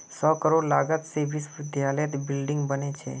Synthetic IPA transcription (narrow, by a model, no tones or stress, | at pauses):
sɔkəɾoɽlaɡət̪seʋisʋɪd̪jalet̪bɪlɖɪ̃ŋɡbənet͡ʃʰḛ